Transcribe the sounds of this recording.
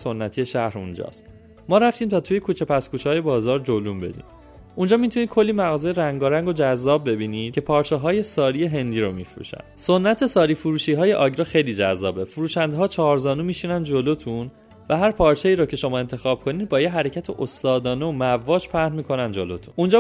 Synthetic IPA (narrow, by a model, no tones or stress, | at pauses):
so̞nːæt̪ʰije̞ʃæhɾṵnd͡ʒɒ̰ːst̪ | mɒːɾæft̪iːmt̪ʰɒːt̪ʰuːje̞kʰuːt͡ʃʰe̞pʰæskuːʃɒːje̞bɒːzɒːɾd͡ʒolumbe̞̰d̪ḭːm | und͡ʒɒːmit̪ʰuniːd̪̚kʰo̞lːimæɣɒːzejeɾæŋɡɒɾæŋɡo̞d͡ʒæzːɒːb̚ːe̞biːniːd̪̥̚cʰe̞pʰɒːɾt͡ʃʰeɦɒːje̞sɒːɾije̞ɦe̞nd̪iːɾomifɾṵːʃæ̰nd̪̥so̞nːæt̪ʰe̞sɒːɾiːfuɾuːʃiːɦɒːje̞ʔɒːɟɾɒːxe̞jliːd͡ʒæzːɒːbe̞fuɾuːʃænd̪eɦɒːt͡ʃʰɒːɾzɒːnuːmiːʃinænd̪d͡ʒo̞lot̪ʰun | væɦæɾpʰɒːɾt͡ʃʰeiːɾoːcʰe̞ʃo̞mɒːe̞nt̪ʰe̞xɒːb̥̚kʰo̞niːd̪̚bɒːjeɦæɾe̞cʰæt̪ʰeʔost̪ɒːd̪ɒːneomævɒːʃpʰæɾnmiːkʰo̞nænd͡ʒo̞lo̰t̪ʰu̥nund͡ʒɒ